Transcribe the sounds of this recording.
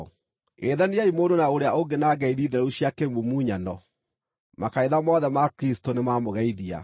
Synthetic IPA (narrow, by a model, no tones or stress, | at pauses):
eðaniaimoːdonaoɾeaoɡenaːɡɛiðiːðeɛuɕjakemumuːɲanɔ | makaeðamɔðɛmakɾistonemamoɣɛiðia̰